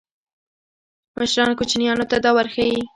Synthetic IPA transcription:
mʔəʃɾɑnkot͡ʃnijɑnot̪ad̪ɑwaɾxawi

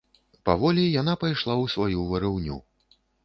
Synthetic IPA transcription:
pavɔlʲijan̪apajʂlˠawsvajuvɐɾɨwnʲṵ

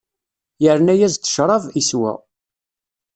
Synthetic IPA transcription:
jəɾnæjæzt̪ːə̥ʃɾˤɑviswæ̰

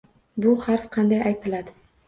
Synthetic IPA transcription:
bʊhaɾfqʰɑnd̪ajajt̪ʰɪlad̪ɪ

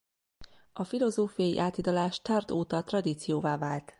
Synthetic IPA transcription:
ɒfilo̞zoːfijɒjḭʔaːt̪id̪ɒlaːʃt̪art̪oːt̪ɒt̪rɒd̪iːt̪sijoːvaːvaːlt̪

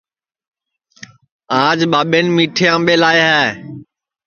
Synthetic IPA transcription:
aːd͡ʒɓaːɓeːnmiːʈʰeːãːmbeːlaːeɦaː

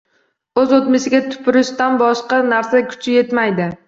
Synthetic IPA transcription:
ɵzot̪mɪsɪɡʲat̪ʰʊ̥pʰʊɾɪʃt̪anbɒʃqɑnaɾsakʲʰʊ̥t͡ʃʰɪje̞t̪majd̪ɪ

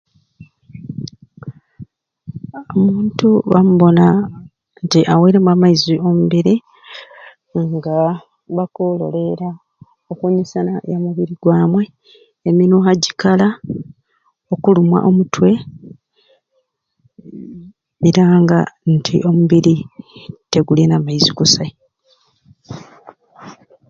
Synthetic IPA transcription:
omuːntuβamuβo̞na | ntiʔaweiɾemwamaizio̞muβiɾi | ŋɡa | βakolo̞̰le̞ɾa | okuɲisana̰jamuβiɾiɡwaːmwe̞ː | minuɦaɟikala | o̞kulumwa̰ʔo̞mutwe̞ | eɾaŋɡantʰḭʔo̞muβiɾite̞ɡulenamaiziɡusa

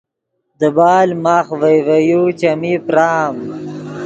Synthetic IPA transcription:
d̪əbaːlmaːxvejvɐjut͡ʃɐmipɾaːm

